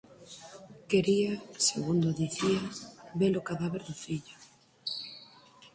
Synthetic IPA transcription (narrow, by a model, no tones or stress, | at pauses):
keɾiasḛɣund̪oðiθiaβelokaðaβeɾðʊfiʎʊ